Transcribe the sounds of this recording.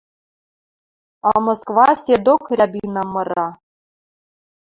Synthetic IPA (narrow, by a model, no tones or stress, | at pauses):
ɑmoskvɑsʲed̪okrʲæbʲinɑmɤ̆ɾɑ